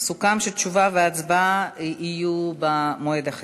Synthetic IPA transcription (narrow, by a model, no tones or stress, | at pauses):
sukamʃet̪ʃuvaveat͡sbaiʔijubamoed̪aχ